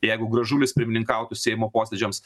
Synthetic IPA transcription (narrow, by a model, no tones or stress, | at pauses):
jɛɪɡʊɡɾɐʒuːlʲɪspʲɪɾʲmʲɪnʲɪŋkɐˑʊt̪ʊsʲɛɪmoːpoːsʲɛd͡ʒʲɛms